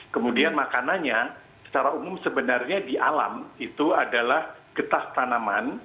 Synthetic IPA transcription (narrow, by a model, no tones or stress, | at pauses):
kəmudianmakananɲa | sə̥t͡ʃaɾaumʊmsəbənarɲadiʔala̰mit̪uadalahɡ̥ət̪aht̪anaman